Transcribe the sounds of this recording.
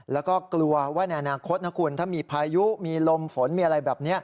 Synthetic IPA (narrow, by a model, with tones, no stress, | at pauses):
lɛː˦˥wkɔː˥˩klu˧ɐwaː˥˩na˧jʔa˧naː˧kʰo˦˥t̪̚na˦˥kʰuː˧nt̪ʰaː˥˩miː˧pʰaː˧ju˦˥ʔmiː˧lo˧mfo˩˦nmiː˧ʔa˧ɾa˧jbɛː˨˩p̚ni˦˥ɐ